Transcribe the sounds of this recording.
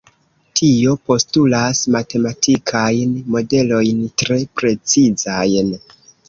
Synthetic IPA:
tʰio̞po̞stulasmate̞matʰikʰajnmo̞de̞lo̞jntɾe̞pɾe̞t͡sizajn

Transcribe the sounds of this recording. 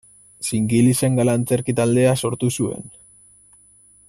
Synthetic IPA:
siŋɡilise̞ŋɡalant͡se̞ɾkit̪ald̪e̞aso̞ɾt̪usue̞̰n

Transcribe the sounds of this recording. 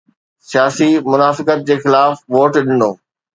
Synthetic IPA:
sijaːsimʊnaːfɪkət̪̚d͡ʑeːxɪlaːfʋoːʈɗɪnoː

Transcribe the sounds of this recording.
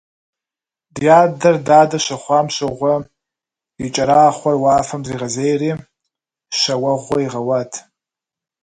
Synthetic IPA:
djaːdɐrdaːdɐʃɐχʷɑːmʃʷɐʁʷɐ | it͡ʃʼɐɾaːχʷɐrwaːfɐmdriːʁɐzejriː | ʃɐwɐʁʷɔiʁɐwatʰ

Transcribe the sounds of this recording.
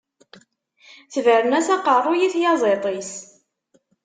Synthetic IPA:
θəvəɾnæsɑqərˤojiθjɑzˤet̪ˤis

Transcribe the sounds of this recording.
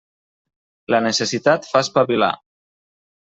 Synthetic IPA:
lənəsesit̪at̪faspaβila̰

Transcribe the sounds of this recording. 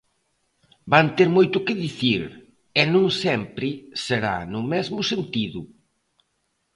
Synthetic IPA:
bant̪eɾmojt̪ʊkɪðiθiɾ | ɛnũŋsɛmpɾɪseɾa̰nʊmɛzmʊsent̪iðʊ

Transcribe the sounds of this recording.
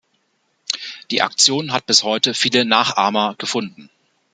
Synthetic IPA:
d̥iːʔa̰k̚t͡sjoːnɦat̚b̥ɪshɔʏtəfiːlənaːχʔaːmɐɡ̥əfʊndn̩

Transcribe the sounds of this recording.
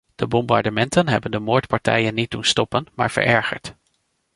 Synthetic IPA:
d̥əbɔmbɑ̰ɹdəmɛntənɦɛbəndəmoːɹtpɑɹtɛ̰jənːit̚dunstɔpənma̰ːɹv̥ə̰ɹʔɛɹχə̰ɹt

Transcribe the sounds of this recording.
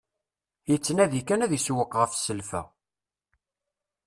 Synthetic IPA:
jət͡sːnæðikːænæðiswəqːʁəfsəlfæ̰

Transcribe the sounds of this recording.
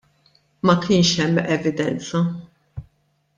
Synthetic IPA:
mɐkɪːnʃɛmːɛvɪd̪ɛnt͡sɐ

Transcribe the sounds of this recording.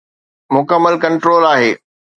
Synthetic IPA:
mʊkəmːəlkɐ̃ɳʈɾoːlaːɦeː

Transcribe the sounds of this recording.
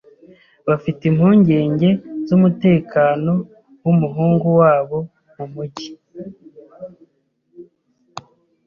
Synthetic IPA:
βafitimhuːɲɟe̞ːɲɟe̞zumute̞ːkaːno̞ | wumuɦuːŋɡuwaːβo̞ | mumuɟi

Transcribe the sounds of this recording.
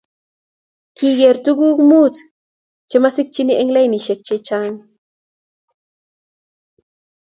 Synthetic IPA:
kiɡeɾt̪uɡukmut͡s̪ | t͡ʃemasɪk̚t͡ʃiniʔeŋlajniʃek̚t͡ʃet͡ʃaŋ

